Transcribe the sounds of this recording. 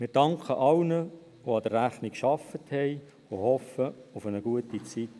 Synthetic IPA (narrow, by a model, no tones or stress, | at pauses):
mɪːɾd̥ɑŋkʰəʔɑwnə | ʋoɑd̥̪əɾæfnikʃɑfəthɛɪ | ʋohɔfəʊfənəɡ̥uətit͡sit